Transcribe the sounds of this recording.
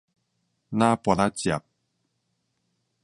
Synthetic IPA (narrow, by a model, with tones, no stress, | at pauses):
nã˦pa˨na˦t͡ɕja˨p̚